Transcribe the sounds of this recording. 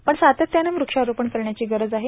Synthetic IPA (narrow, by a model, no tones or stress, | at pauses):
pəɳsat̪ət̪ːjaneʋɾukʂaɾupəɳkəɾɳjat͡ɕiːɡəɾəd͡zaɦe